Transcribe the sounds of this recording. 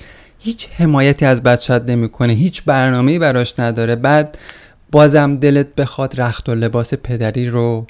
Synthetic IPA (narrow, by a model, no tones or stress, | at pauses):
hiːt͡ʃʰhe̞mɒːjæt̪ʰiːæzbæd̪t͡ʃæd̪ne̞miːkʰo̞neɦiːt͡ʃʰbæɾnɒːme̞iːbæɾɒːʃnæd̪ɒːɾe̞bæːd̪̚ | b̥ɒːzæmd̪e̞let̪̚be̞xɒːd̪ɾæxt̪o̞le̞bɒːse̞pʰe̞d̪æɾiːɾo